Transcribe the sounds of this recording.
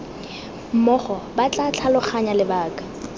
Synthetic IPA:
m̩mɔχɔbat͡ɬʼat͡ɬʰalʊχʰaɲalɪbaːkʼḁ

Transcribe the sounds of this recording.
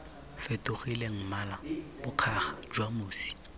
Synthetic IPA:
fetʼʊɣileŋ̩malabʊq͡χʰaχḁd͡ʒwamoːsi̥

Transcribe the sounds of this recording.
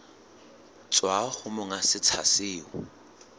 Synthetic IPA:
t͡sʼwaχʊmʊŋasɪt͡sʰa̰sɪːʊ

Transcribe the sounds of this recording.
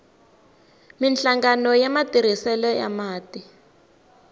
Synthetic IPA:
minɬaŋɡanɔjamatʼiɾisɛlɛja̰maːti

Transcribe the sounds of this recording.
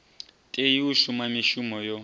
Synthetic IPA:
tʼejiuʃumamiʃumɔjɔ

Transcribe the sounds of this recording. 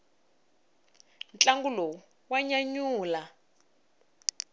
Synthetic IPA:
nt͡ɬʼaŋɡulɔ | waɲaɲuːla

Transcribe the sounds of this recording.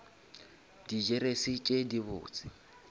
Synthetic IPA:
did͡ʒɛɾesit͡ʃʼediβʊ̰ːt͡sʼɪ̥

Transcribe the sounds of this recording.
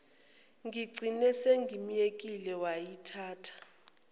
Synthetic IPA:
ŋɡʱiɡ͡ǀʱinɛseŋɡʱim̩jek̬ʼilɛwajitʰaːtʰḁ

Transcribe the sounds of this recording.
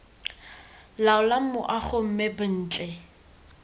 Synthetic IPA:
laʊlam̩mʊʔaχʊm̩mɛbʊn̩ːt͡ɬʼɛ

